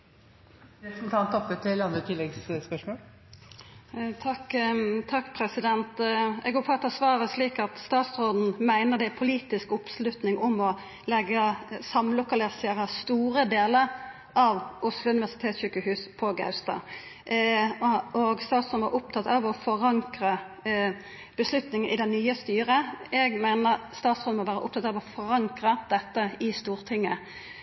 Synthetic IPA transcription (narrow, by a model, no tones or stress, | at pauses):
n̩t̪ʰɑnt̪ɔpːət̪ʰːɪlɑnd̪ɾət̪ʰɪlɛɡsspœʂmoːl | t̪ʰɑkt̪ʰɑkːpʰɾɛsɪd̪ɛnt̪ɛɡoːpʰɔɑt̪ɑsʋɑːɾəsliːkɑt̪st̪ɑːt̪sʁoːd̪n̩mæɪnəd̪ɛɪpʰʊliːt̪ɪskʊpslʉt̪nɪŋʔʊmɔ | lɛɡːəsɑmlʊkɑlɪseːɾəst̪uːɾəd̪eːləɾ | ʔɑʋʔʊslʊʉnɪʋæʁsɪ̥t̪ʰeːt̪sɕykəhʉːspʰɔɡɑ̰ʉst̪ɑ̰ː | ɔɡst̪ɑːt̪soɔd̪ʋɑ̰ɾʔʊp̚t̪ʰɑt̪ɑʋɔfɔʁɑŋkɾə | b̥əslʉt̪nɪŋənɪd̪ɛnnːyːəst̪yːɾəɛɡmæɪnəɾst̪ɑːt̪soːd̩̪mɔʋæːɾəʔʊ̰p̚t̪ʰɑt̪ɑʋɔfɔʁɑŋkɾəd̪̥ɛt̪ːəɪst̪uːʁt̪ʰɪŋːə